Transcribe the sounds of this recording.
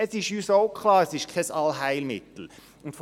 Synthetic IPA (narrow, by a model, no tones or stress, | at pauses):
ɛsɪʃyːsoʊkʰlɑːɾɛsɪʃkʰɛsɑlɦæɪlmɪ̰t̪l̩ | ʊntf